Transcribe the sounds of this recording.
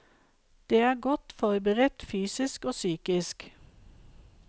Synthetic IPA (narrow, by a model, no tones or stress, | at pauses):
d̪̥eːæːɡɔt̪fɔʁbəʁət̪fyːsɪskoːsyːkɪsk